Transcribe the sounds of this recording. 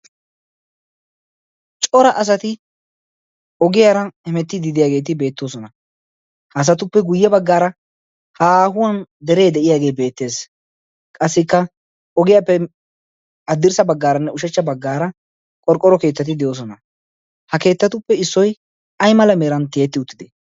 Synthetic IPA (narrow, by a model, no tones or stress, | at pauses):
t͡ʃʼɔɾɐʔɐs̬ɐt̪ɪ | ɔɡɪjaːɾɐɛmɛt̪ːɪd̪ɪd̪ɪjaːɡe̞ːt̪̬ɪbe̞ːt̪ːo̞ːsɔnɐ | hɐːs̬ɐt̪ʊpːɛɡʊjːɛbɐɡːaːɾɐ | haːhʊwɐnd̪ɛɾe̞ːd̪ɛʔɪjaːɡe̞ːbe̞ːt̪ːe̞ːs | kʼɐsːɪkːɐ | ɔɡɪjapːɛ | ɐd̪ːɪɾsɐbɐɡːaːɾɐnːɛʊʃɛt͡ʃːɐbɐɡːaːɾɐ | kʼɔɾkʼɔɾɔke̞ːt̪ːɐt̪̬ɪd̪ɪjoːs̬ɔnɐ | hɐke̞ːt̪ːɐt̪ʊpːɛɪsːɔj | ɐjmɐlɐmeːɾɐnt̪ɪjeːt̪ːɪʊt̪ːɪd̪ɛ